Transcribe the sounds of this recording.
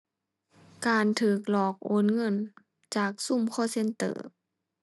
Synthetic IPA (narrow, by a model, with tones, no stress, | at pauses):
kaː˨nt̪ʰɯː˨˩k̚lɔː˨˩k̚ʔo̰˧˦˥nŋɤ˧˥˨n | t͡ɕaː˨˩k̚su˧˥˨mkʰɔː˧˥˨se˧˥˨nt̪ɤ̰ː˧˩